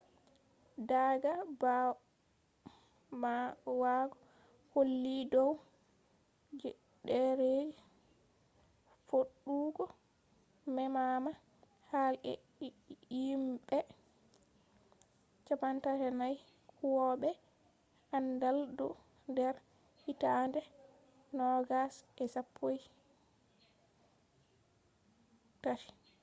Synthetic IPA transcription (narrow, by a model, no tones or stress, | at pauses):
daɡab | waɡɔ | holːidɔw | d͡ʒ | dɛɾed͡ʒi | foɗːuːɡɔ | mɛmama | halɛ̰ | jimbɛ | t͡ʃapantaɾɛnaj | kkuwɔɓɛ | andaldu | ndɛɾ | hitandɛ | nɔɡasɛsapʰːoj | tati̥